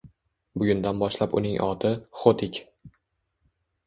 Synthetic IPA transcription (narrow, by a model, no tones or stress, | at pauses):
bʊɡʲʊnd̪anbɒʃlapʊ̰nɪŋʔɒ̰t̪ʰɪχot̪ʰɪkʲ